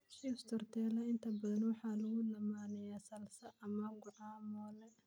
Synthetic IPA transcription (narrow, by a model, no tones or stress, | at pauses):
ʃist̪ʰɔrt̪ʰɛːlɐɪnt̪ʰɐbɐðɐnwɑħɑːlɐɣʊlɐmaːnɛjaːsɐlsɐʔɐmɐɡʊʕɑːmɔːlɛ